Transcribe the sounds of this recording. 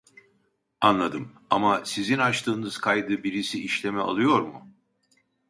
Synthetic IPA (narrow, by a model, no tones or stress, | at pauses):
anlˠad̪ɯm | amasizinat͡ʃt̪ʰɯːnɯz̥kʰajd̪ɯbiɾisiiʃlʲe̞mɛa̰lˠɯjo̞ɾmṵ